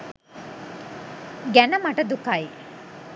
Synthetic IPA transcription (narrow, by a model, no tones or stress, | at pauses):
ɡɛnɐmɐʈɐd̪ukaji